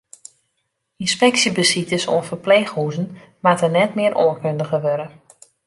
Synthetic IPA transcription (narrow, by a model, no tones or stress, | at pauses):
inspɛksjəbəsitəso̰ənfərpleːxhuːzən̩ | matənɛtmɪəɾʔo̰ənkøndəɣəʋøɾə